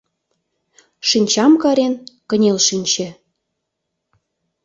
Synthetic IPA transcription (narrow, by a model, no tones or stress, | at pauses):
ʃinʲt͡ɕɑmkɑɾenkə̆nʲelʃinʲt͡ɕĕ